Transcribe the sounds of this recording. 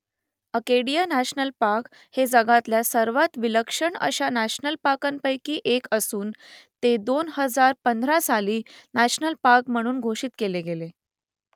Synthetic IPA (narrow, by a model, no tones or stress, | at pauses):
əkeɽijanæɕnəlpaɾk | hed͡zəɡat̪ljasəɾʋat̪ʋiləkʂəɳə̰ɕanæɕnəlpakanpəjkiːʔekəsuːnt̪ed̪onhəd͡zaɾpənd̪ʱɾasaliːnæɕnəlpaɾkm̤əɽ̃uːnɡʱoɕiːt̪keleɡele